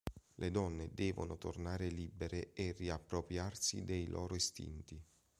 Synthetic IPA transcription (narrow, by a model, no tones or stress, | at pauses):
lʔed̪ɔnːed̪ɛːvo̰not̪o̰rnaːɾelibeɾeeriapːɾopɾjarsḭd̪ejlʔɔːɾoest̪ḭnt̪i